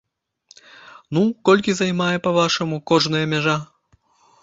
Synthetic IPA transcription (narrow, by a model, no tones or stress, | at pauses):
nukɔlʲkʲizɐjmajɛpɐvaʂɐmukɔʐnɨjɐmʲaʐa